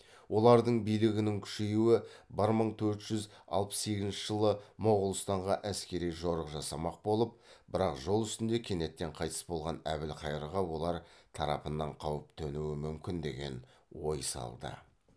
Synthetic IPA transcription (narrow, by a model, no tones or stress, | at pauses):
wʔo̞lˠɑɾd̪əɴbijlɪɡʲɪnɪŋkʲʰʏ̥ʃejuwɪbəɾməɴt̪ʰɵɾt̪ʒ̥ʏzɑ̰lˠpə̥sːe̞ɡʲɪznʃə̥ʒəlˠəmoʁəlˠəst̪ɑɴʁɑʔæskʲe̞ɾijʒo̞ɾəqʒɑsɑmɑq̚bo̞lˠəp̚bɪɾɑqʒo̞lˠʏst̪ɪnd̪e̞kʲʰe̞ne̞t̪ːe̞ɴqʰɑjt̪ʰə̥sbo̞lˠʁɑnæ̰bɪlqʰɑjəɾəʁɑwo̞lˠɑɾt̪ʰɑɾɑ̰pənːɑɴqʰɑwəp̚t̪ʰɵnuwɪmʏmkʲɪnd̪e̞̰ɡʲe̞̰nwo̞̰jsɑ̰lˠd̪ə̰